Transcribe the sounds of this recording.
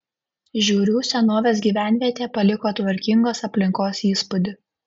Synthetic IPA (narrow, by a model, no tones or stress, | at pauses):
ʒʲuːɾʲuːsʲɛnoːʋʲeːs̬ɡʲiːʋʲæˑnʲʋʲiɛt̪ʲeːpɐlʲɪkoːt̪ʋɐɾʲkʲɪŋɡoːsɐpʲlʲɪŋkoːsiːspʊd̪ʲɪ